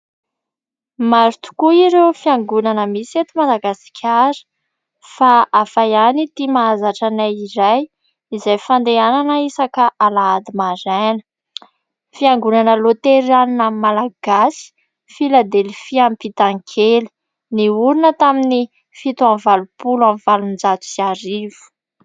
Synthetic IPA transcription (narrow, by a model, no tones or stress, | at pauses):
maɾit̪u̥kuiɾewfiaŋɡunanəmiset̪umad̪aɡasi̥kʲʰaɾə̥ | faafajanit̪imaazaʈ͡ʂanajiɾaj | izajfand̪eananəisakaʔalaad̪imaɾanə̥ | fiaŋɡunanəlot̪eɾaninamalaɡ̥asi̥ | filad̪elfiampit̪aŋkʰeli̥ | niuɾinət̪amini | fit̪uanvalupulamvalund͡zat̪u̥siaɾiv̥u̥